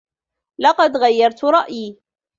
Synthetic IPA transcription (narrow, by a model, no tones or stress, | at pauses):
lɑqɑd̪ɣajːɑɾˤt̪ɾˤɑʔjiː